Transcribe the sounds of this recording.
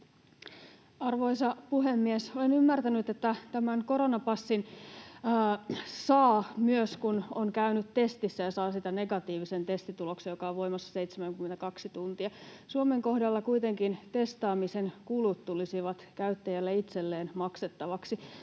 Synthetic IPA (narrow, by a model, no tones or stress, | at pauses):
ɑrʋo̞isɑpuɦemːiesolenymːært̪ænyt̪et̪ːæt̪æmæŋko̞ɾonɑpɑsːinː | sɑːmyøskunoŋkæynyt̪t̪e̞st̪isːæjɑsɑːsit̪æne̞ɡɑt̪iːʋise̞nt̪e̞st̪it̪ulo̞ksejokɑoʋʋo̞jmɑsːɑ̥seit̪semæŋkymːent̪ækɑksit̪unt̪iɑsuome̞ŋko̞hdɑlːɑkuijt̪e̞ŋkint̪e̞st̪ɑːmisenkulut̪t̪ulisiʋɑt̪kæyt̪ːæjælːeit̪selːeːnmɑkset̪ːɑʋɑksi